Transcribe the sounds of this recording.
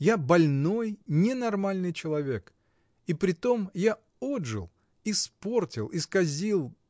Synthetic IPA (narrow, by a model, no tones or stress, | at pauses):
jabɐlʲno̞jnʲɪnɐrmalʲnɨjt͡ɕɪlˠɐvʲe̞k | ipɾʲɪt̪o̞mja | odʐɨ̰lˠ | ispo̞rtʲɪlˠiskɐzʲilˠ